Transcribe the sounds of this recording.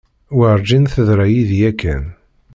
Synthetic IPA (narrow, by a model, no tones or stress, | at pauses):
wəɾˤd͡ʒinθəðɾæjiðjækːæn